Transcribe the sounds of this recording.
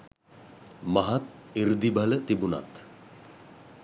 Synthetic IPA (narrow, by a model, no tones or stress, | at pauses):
maɦat̪̚iɾd̪ibʱalət̪ibuna̰t̪